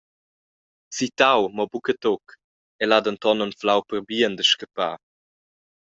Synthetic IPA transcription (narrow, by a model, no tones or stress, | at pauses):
t͡sit̪awmɔbukətok | ɛladənt̪ɔnɔnflawpəʁbiənd̪əʃkəpaː